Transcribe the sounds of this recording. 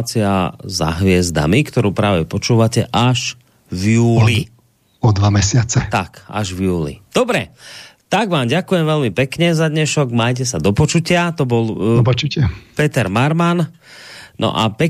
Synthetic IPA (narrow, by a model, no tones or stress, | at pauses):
t͡sia̰za̰ɦʋɪɛzd̪a̰mikt̪ɔɾuːpɾaːʋɛpɔt͡ʃuːʋacɛʔaʒ | vjuːli | ɔd̪ʋamɛsɪat͡sɛt̪aka̰ʒvjuːlḭd̪̥ɔbɾɛt̪aɡʋaːmɟakujɛmʋɛlmipɛkɲɛzad̪ɲɛʃɔɡmaːjc̬ɛsad̪ɔpɔt͡ʃucɪat̪ɔbɔlpt͡ʃucɪapɛt̪ɛɾmaɾman | nɔ̰ʔapɛ